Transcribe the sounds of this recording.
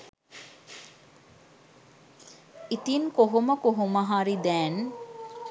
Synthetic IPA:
it̪inkoɦuməkoɦuməɦaɾid̪æːn

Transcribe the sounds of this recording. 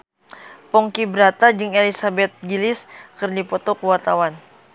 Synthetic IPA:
pɔŋkibəɾat̪ad͡ʒɨŋelisabɛt̪̚ɡiliskɨrdipɔt̪ɔkuwart̪awan

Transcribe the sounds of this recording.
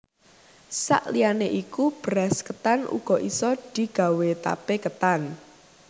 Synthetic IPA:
sa̰ʔlianeʔikub̥ɾaskət̪anʔṵɡ̥ɔ̤ʔisɔd̪̥i̤ɡ̥a̤wet̪a̰pekət̪an

